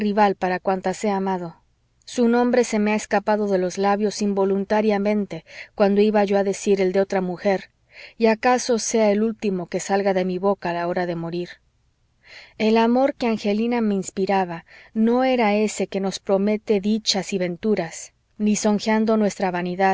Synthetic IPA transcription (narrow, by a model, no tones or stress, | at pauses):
riβalpaɾakwant̪ase̞amaðo̞ | sunõ̞mbɾe̞se̞meaeskapaðo̞ðe̞lo̞zlaβjo̞simbo̞lunt̪aɾjamẽ̞nt̪e̞kwand̪o̞iβaʝo̞aðe̞siɾe̞ld̪eo̞t̪ɾamuxe̞ɾ | iakaso̞se̞ae̞lult̪imo̞ke̞salɣaðe̞miβo̞kaːlao̞ɾaðe̞mo̞ɾiɾ | e̞lamo̞ɾke̞aŋxe̞liname̞inspiɾaβano̞e̞ɾae̞se̞ke̞no̞spɾo̞me̞t̪e̞ðit͡ʃasiβe̞nt̪uɾas | niso̞ŋxeand̪o̞nwe̞st̪ɾaβaniðað